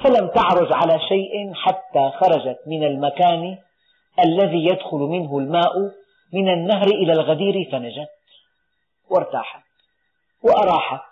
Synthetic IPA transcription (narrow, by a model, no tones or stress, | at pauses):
falamt̪ɪʕɾˤʊd͡ʒʕalaʃajʔɪħat̪ːaːxɑɾˤɑd͡ʒat̪mɪnalmakaːni | ʔalːaðiːjad̪xʊlmɪnɦʊlmaːʔ | mɪnanːaɦɾʔɪlalɣad̪iːɾifanad͡ʒat̪ | wɪɾˤt̪a̰ːħḁ | wɪʔɑɾˤɑːħa